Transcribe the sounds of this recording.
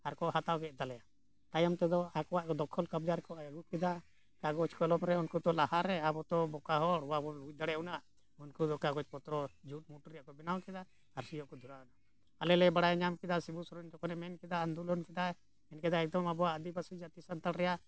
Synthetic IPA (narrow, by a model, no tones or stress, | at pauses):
aɾkɔhat̪awɡɛʔ̚t̪alɛja | t̪ajamt̪ɛd̪ɔakɔwaʔkɔd̪ɔkʰɔlkab̚d͡ʒaɾkɔaaɡup̚kɛd̪a | kaɡɔt͡ʃkɔlɔmɾɛunkut̪ɔlahaɾɛabɔt̪ɔbɔkaɦɔɽuwabɔlut͡ʃ̚d̪aɽɛuna | unkud̪ɔkaɡɔt͡ʃpɔt̪ɾɔd͡ʒuʈ̚muʈɔɾjaʔkɔbɛnawkɛd̪a | aɾsijɔʔkɔd̪ʱuɾauna | alɛlɛbaɽajɲamkɛd̪asibusɔɾɔɲt̪ɔkɔnɛmɛnkɛd̪aːnd̪ulɔnkɛd̪a | ɛnkɛd̪aɛk̚d̪ɔmabɔwaʔəd̪ibasid͡ʒat̪isant̪alɾɛja